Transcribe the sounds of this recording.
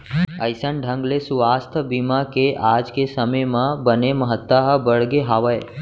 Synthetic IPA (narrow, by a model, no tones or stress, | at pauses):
əɪsənɖʱə̃ŋɡlesʊʋast̪ʰbimakeʔad͡ʒkesəməjmãbəneməɦət̪ːaɦəbəɽɡeɦaʋəj